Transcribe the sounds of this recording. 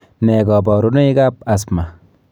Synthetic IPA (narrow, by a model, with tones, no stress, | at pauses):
nɛ˨ɡɔ˨bɔ˨ɾu˦no˦i˦ɡa˦pasma